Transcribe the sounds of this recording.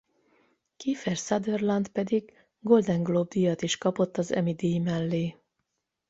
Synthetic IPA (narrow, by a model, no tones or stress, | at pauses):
kiːfɛrsɒd̪ørlɒnd̪pɛd̪iɡ | ɡo̞ld̪ɛŋɡlob̚d̪ijɒt̪iʃkɒpo̞t̪ːɒzɛ̰mid̪iːmɛlːeː